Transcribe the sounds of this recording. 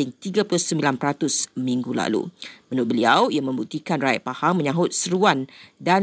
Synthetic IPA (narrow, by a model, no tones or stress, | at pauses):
ɪŋt̪iɡapulʊhsəmbilanpəɾat̪ʊsmĩŋɡula̰lṵmənʊʔ̚bəliawijaŋmə̃mbuk̚t̪ikanraḭʔ̪̚pahaŋmə̃ɲãɦʊt̪̚səɾuanda